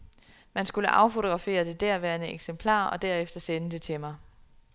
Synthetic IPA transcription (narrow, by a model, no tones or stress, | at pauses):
mænsɡ̥uləʔɑ̈ʊfo̝t͡sʰoɡ̥ʁɑ̈fe̝̰ːɐd̥e̝d̥æɐ̰ʋæːɐnəeɡ̥sempʰlɑ̰̈ːɒ̽d̥æɐ̰efd̥ɐsenəd̥e̝t͡sʰe̝mɑ̈ɪ